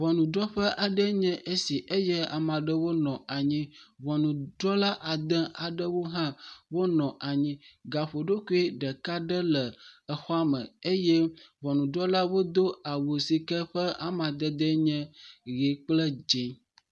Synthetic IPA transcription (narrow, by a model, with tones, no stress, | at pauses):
βɔ˨nũ˨ɖɔ˦ɸə˦ʔa˨ɖə˦ɲɛ̃˦ʔe˦si˨ʔe˦jɛ˦a˨mã˨ɖə˦wo˦nɔ̃˨a˨ɲĩ˦βɔ˨nũ˨ɖɔ˦la˦ʔa˨d̪ə̃˦a˨ɖə˦wo˦ɦã˦wo˦nɔ̃˨ʔa˨ɲĩ˦ɡa˨ɸo˨ɖo˦ku˦i˦ɖə˨ka˦ɖə˦lə˨ə˨xɔ˦a˦mə̰̃˨e˦jɛ˦βɔ˨nũ˨ɖɔ˦la˦wo˦d̪o˦a˨wo˨si˨kə˦ɸə˦a˦mã˨d̪ə˦d̪ə˦ɲɛ̃˦ɣe˨˦k͡plə˦d͡ʒe˨